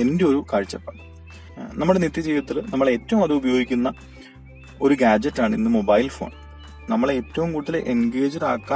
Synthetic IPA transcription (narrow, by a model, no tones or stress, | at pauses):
e̞ndeo̞ɾukaːɻt͡ɕːɐpːaːɳɨ | nɐmːuɽenit̪ːit͡ɕe̞jːɐt̪ːɐðɨnɐmːɐɭe̞ːtːɐʋumɐðɨubɐjo̞ːɡikʲːunːɐ | o̞ɾuɡaːd͡ʑɐtːaːɳinːɨmo̞baːjlfo̰ːɳ | nɐmːɐɭeːtːɐʋumkuːɽuðːɐlʔenɡe̞ːd͡ʑɐɾaːkːaː